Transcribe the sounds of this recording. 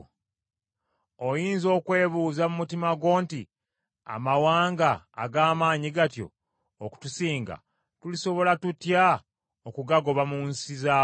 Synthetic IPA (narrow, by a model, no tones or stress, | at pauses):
ojiːnzo̞ːkwe̞ːβuːzamumutimaɡwo̞ːnti | a̰mawaːŋɡa̰ːɡaːmaːɲiɡatjo̞̰ː | ku̥tusiːŋɡa̰ | tuliso̞βo̞latutja | okuɡaɡo̞βamunsizaː